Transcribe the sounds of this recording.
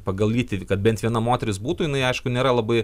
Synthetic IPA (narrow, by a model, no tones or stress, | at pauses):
pɐɡɐlʲˠiːt̪ʲɪkɐt̪bʲɛnt̪ʋʲiɛnɐmoːt̪ʲɛɾʲɪsbuːt̪ʊjɪnɐɪɐɪʃkʊnʲeːɾɐlˠɐbɐɪ